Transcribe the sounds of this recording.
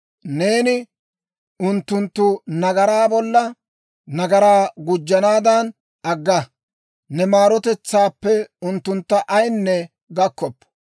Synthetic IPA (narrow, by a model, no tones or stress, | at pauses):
ne̞ːnɪ | ʊnt̪ːʊnt̪ːʊnɐɡɐɾaːbɔlːɐ | nɐɡɐɾaːɡʊd͡ʒːɐnaːd̪ɐn | ʔɐɡːɐ | nɛmaːɾɔt̪ɛt͡sːaːpːɛʊnt̪ːʊnt̪ːɐʔɐjnːɛ | ɡɐkːɔpː